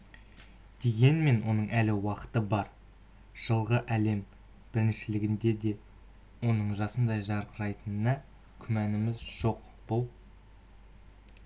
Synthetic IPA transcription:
d̪̥e̞ɡʲe̞nme̞nwʔo̞nəɴʔælɪwɑqə̥t̪əbɑɾ | ʒ̥əlˠʁəʔæle̞m | b̥ɪɾɪnʃɪlɪɡʲɪnd̪e̞d̪e̞ | wo̞nəɴʒɑsənd̪ɑjʒɑɾqʰəɾɑjt̪ənənɑ | kʲʰʏmænɪmɪzʒ̥o̞q | b̥ʊlˠ

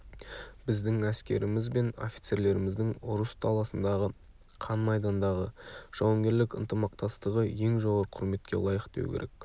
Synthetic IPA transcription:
b̥ɪzd̪ɪŋæskʲe̞̰ɾɪmɪzbe̞no̞̰fʲi̥jt̪se̞ɾle̞ɾɪmɪzd̪ɪŋʊɾəst̪ʰɑlˠɑsənd̪ɑʁə | qʰɑnmɑjd̪ɑnd̪ɑʁəʒ̥ɑwɑŋɡʲe̞ɾlɪkə̰nt̪əmɑq̚t̪ɑst̪əʁəje̞ŋʒo̞ʁɑɾqʰʊɾme̞t̪kʲe̞̰lˠɑjəqd̪e̞̰w̰kʰʲḛɾe̞̰k

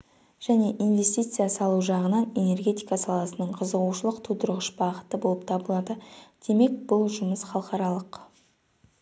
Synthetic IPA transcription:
ʒ̥æne̞ʔinve̞st̪ijt̪sɨjasɑlˠuʒɑʁənɑne̞ne̞rɡʲe̞t̪ijkasɑlˠɑsənəɴqʰəzəʁuʃəlˠəqt̪ʰud̪əɾʁəʃbɑʁət̪əbo̞lˠəp̚t̪ʰɑbəlˠɑd̪əd̪̥e̞me̞k̚bʊlˠʒʊməsχɑlˠəqɑɾɑlˠəq

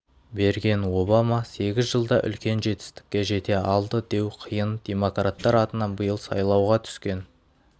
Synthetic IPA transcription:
be̞ɾɡʲe̞nwo̞bɑmɑse̞ɡʲɪzʒəlˠd̪ɑʔʏ̰lkʲe̞nʒe̞t̪ɪ̥st̪ɪ̥kʲːe̞ʒe̞t̪e̞ɑlˠd̪əd̪e̞wqʰəjənd̪̥ʲe̞mo̞krat̪ːɑɾɑt̪ənɑnbəjəlˠsɑ̰jlˠɑwʁɑt̪ʰʏ̥skʲe̞n

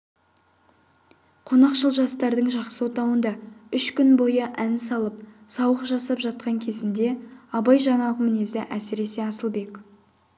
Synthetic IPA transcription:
qʰo̞nɑqʃəlˠʒɑst̪ɑɾd̪əɴʒɑqsəwot̪ɑwənd̪ɑʏʃkʲʏnbo̞jəʔænsɑlˠəp̚sɑwəqʒɑsɑpʒɑt̪̚qɑŋkʲʰe̞zɪnd̪e̞ɑbɑjʒɑɴɑʁəmɪne̞zɪʔæsɪɾe̞se̞ɑsəlˠbe̞k

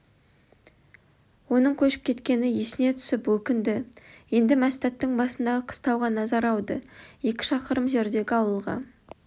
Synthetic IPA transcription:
wo̞nəɴkʲʰɵʃɪ̥p̚kʲʰe̞t̪kʲe̞nɪje̞sɪne̞t̪ʰʏ̥sɪpwɵkʲɪnd̪ɪje̞nd̪ɪmæst̪ɑt̪ːəɴbɑsənd̪ɑʁəqʰə̥st̪ɑwʁɑnɑzɑɾɑwd̪əje̞kʲɪ̥ʃɑqəɾəmʒe̞ɾd̪e̞ɡʲɪɑwəlˠʁɑ̰

